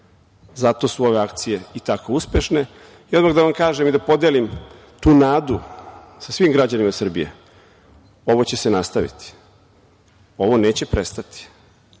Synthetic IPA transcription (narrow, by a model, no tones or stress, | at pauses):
zat̪o̞suo̞ʋe̞akt̪sije̞it̪ako̞uspje̞ʃne̞ | ijo̞d̪maxd̪aʋamkaːʒemid̪apo̞d̪elim | t̪uːnaːd̪u | sasʋimɡɾad͡ʑanimasr̩bijḛ | o̞ʋo̞t͡ɕe̞senast̪aʋḭt̪i̥ | o̞ʋo̞ne̞ːt͡ɕe̞pɾe̞st̪at̪i̥